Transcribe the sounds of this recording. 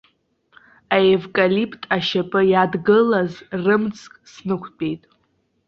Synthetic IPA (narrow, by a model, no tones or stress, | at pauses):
aevkʼalipʰtʼaʃapʼɨjadɡɨlazrɨmt͡sʰʼkʼsnɨkʷʰpʼe̞jtʼ